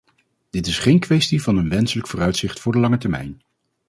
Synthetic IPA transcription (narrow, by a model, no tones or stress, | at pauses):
d̥ɪtɪsχejnkʋɛstivɑnənʋɛnsələkfʊːrœɥtsɪχtfʊːɹdəlɑŋətɛɹmɛ̰jn